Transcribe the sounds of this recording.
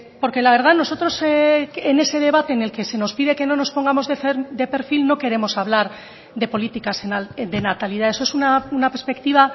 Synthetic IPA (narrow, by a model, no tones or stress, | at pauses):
po̞ɾke̞laβ̞e̞ɾð̞ano̞so̞t̪ɾo̞seene̞se̞ðe̞βat̪e̞ːne̞lke̞se̞no̞spiðe̞ke̞no̞no̞spo̞ŋɡamo̞zðefeɾd̪e̞pe̞ɾfilno̞ke̞ɾe̞mo̞saβ̞laɾ | ðepo̞lit̪ikasenald̪e̞nat̪aliðae̞soe̞sunaunapeɾspe̞k̚t̪iβa